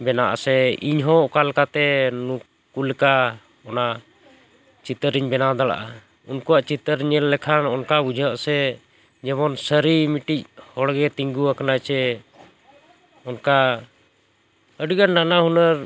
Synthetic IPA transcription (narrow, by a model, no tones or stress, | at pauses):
bɛnaʔa̰sɛiɲɦɔʔɔkalkat̪ɛnukː | ulɛka | ɔna | t͡ʃit̪əɾiɲbɛnad̪ala̰ʔa | unkuwaʔt͡ʃit̪əɾɲɛlːɛkʰanɔnkabud͡ʒʱəʔsɛ | d͡ʒɛmɔnsəɾimiʈic̚hɔɽɡɛt̪iŋɡuakanat͡ʃɛ | ɔnka | əɖiɡanːanaɦunəɾ